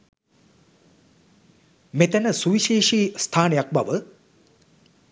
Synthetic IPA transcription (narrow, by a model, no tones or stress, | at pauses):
met̪ænəsuʋiʃeːʂiːst̪ʰaːnejak̚baʋə